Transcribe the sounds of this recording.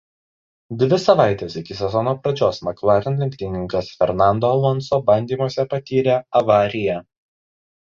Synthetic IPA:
d̪ʲʋʲɪsɐʋɑˑɪt̪ʲeːsɪkʲɪsʲɛzɔnoːpɾɐd͡ʒʲoːsmɐkʋɑːɾʲɛnlʲɪŋʲkʲt̪ʲɪnʲɪŋkɐsfʲɛɾnɑˑnd̪oːɐlˠɔnˑsoːbɐnʲd̪ʲiːmoɔsʲɛpɐt̪ʲiːɾʲeɐʋɑːɾʲɪjɛ

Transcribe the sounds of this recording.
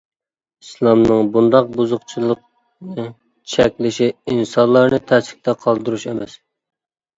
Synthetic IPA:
islˠɑmnɨŋbund̪ɑq̚buzʊqt͡ʃʰilˠəq̚ | nɨ | t͡ʃʰɛkʲlɪʃiinsɑnlˠɑɾnɨt̪ʰɛsɪ̥kʲt̪ʰɛqʰɑlˠd̪ɨɾuʃemɛs

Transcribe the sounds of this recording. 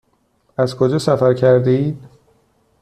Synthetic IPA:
æzkʰod͡ʒɒːsæfæɾcʰæɾd̪iːd̪̚

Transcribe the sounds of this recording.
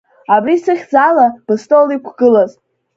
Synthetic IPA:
abɾisɨχʲd͡zalab̥ɨstʼolikʷʰɡ̥ɨlaz

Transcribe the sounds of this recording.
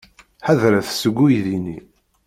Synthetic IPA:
ħaðɾæθsəɡʷːujðini

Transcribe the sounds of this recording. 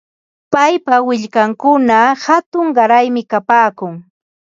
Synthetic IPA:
pajpawɪʎkaŋkʊnahat̪ʊŋɢɑɾajmɪkapaːkʊŋ

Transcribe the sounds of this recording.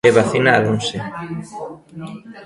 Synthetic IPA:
eβaθinaːðunse

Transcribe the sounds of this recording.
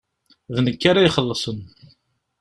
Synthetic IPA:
ðnəkːaɾajχəlːəsˤən

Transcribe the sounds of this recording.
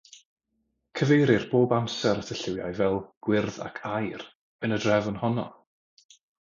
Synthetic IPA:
kʰəvejɾɪrb̥oːbamsɛɾətʰəɬɪwja̰jvɛlˠɡ̥wɪrða̰kʰajr | ənədrɛvɔnhɔnɔ̰

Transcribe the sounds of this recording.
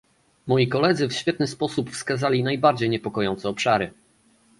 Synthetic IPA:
mɔjikɔlɛd̪zɘfɕfʲjɛt̪̚nɘspɔsupfskazalʲinajbaɾd͡ʑejɲɛpɔkɔjɔnt̪sɛɔpʂaɾɘ

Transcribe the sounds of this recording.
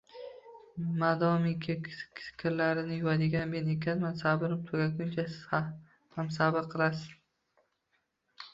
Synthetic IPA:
mad̪ɒmɪŋkʲʰsɪ̥kʲʰɪɾlaɾɪnɪjʊwad̪ɪɡʲanme̞ne̞kʲʰanmansabɪɾɪp̚t̪ʰoɡʲaɡʲʊnt͡ʃʰa | hams̬abɪɾqʰɨlˠasɪ̥z

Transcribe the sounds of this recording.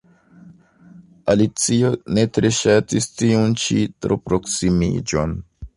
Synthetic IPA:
alit͡sio̞ne̞tɾe̞ʃatistiunt͡ʃitɾo̞̰pɾo̞ksimḭd͡ʒo̞̰n

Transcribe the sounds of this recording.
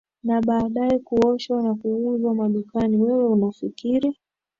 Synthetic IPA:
naɓaːɗaɛkuɔʃwanakuuzwamaɗukaniwɛwɛunafikiɾi

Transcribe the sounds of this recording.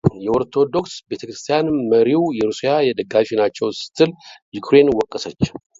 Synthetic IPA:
jɛo̞ɾt̪ʰo̞d̪o̞ksbe̞t̪ʰəkɾɨ̥st̪ʰijanməɾiwjɛɾusijajɛd̪əɡafinat͡ʃːɛwsɨ̥t̪ʰɨljukʰɾe̞nwɔkʼːəsət͡ʃː

